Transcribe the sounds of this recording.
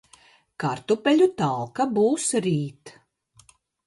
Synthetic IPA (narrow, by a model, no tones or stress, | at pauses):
kaɾt̪upʲɛlʲut̪alˠkabuːsɾiːt̪